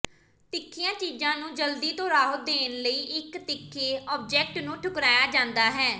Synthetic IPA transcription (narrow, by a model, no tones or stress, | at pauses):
t̪ɪkʰːiːãːt͡ʃiːd͡ʒãːnũːd͡ʒəld̪iːt̪õːɾaːɦət̪̚d̪eːnləiːʔɪkt̪ɪkʰːeːɔːb̚d͡ʒɛːk̚ʈnũːʈʰʊkɾaːjaːd͡ʒãːnd̪aːɦɛː